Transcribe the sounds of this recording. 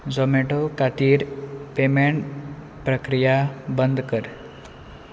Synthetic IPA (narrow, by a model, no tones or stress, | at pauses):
d͡zomeʈokat̪iːɾpemeɳʈ | pɾəkɾijabənd̪kəɾ